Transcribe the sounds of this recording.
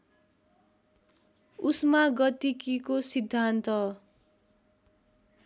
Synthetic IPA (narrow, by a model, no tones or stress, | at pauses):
usmaɡʌt̪ikikosid̪ʱːant̪ʌ